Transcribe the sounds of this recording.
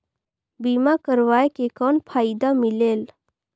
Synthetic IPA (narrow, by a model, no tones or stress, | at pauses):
biːmakəɾʋaːekekɔːnpʰaːid̪amɪleːl